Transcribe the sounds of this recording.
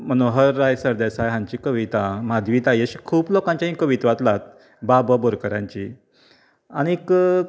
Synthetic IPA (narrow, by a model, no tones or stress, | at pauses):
mənoɦəɾːajsəɾd̪asajɦãɲt͡ɕikəʋit̪amad̪ʋiːt̪ajəɕi̥kʰuːblokãɲt͡ɕjãɦĩkəʋit̪ʋat̪lat̪̚ | babəboɾkəɾãɲt͡ɕi | aɽ̃iːk